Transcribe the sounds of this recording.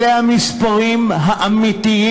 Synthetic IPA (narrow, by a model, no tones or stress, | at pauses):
ehamispaʁimɦaʔamit̪ii